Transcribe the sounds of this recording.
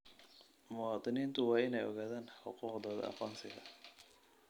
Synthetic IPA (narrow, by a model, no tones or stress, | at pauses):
mʊwɑːt̪ʼˤɪniːnt̪ʰʊwɑːɪnɛjʔɔɣaːðaːnħʊquːqd̪ɐːð̰ɐ̰qɔːnsɪɣɐ